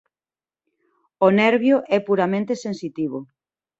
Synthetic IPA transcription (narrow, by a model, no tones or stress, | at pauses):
onɛɾβjoʔɛpuɾamẽnt̪esẽnsit̪iβ̞o